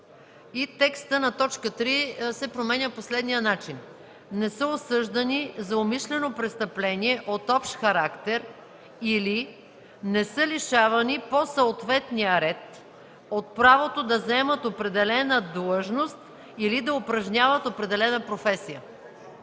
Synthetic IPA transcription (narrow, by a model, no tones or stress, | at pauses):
it̪ɛkst̪ənɐt̪ɔt͡ʃkət̪ɾisɛpɾomɛnʲəposlɛd̪nijənat͡ʃin | nɛsəosɤʒd̪ɐnizɐomiʃlɛnopɾɛst̪ɐplɛniɛʔot̪ɔpʃt̪xɐɾakt̪ɛɾ | ili | nɛsɤliʃavɐniposɐot̪vɛt̪nijəɾɛt̪ | ot̪̚pɾavot̪od̪ɐzɛmət̪opɾɛd̪ɛlɛnəd̪lˠəʒnost̪ | ilid̪ɐopɾɐʒnʲavət̪opɾɛd̪ɛlɛnəpɾofɛsijə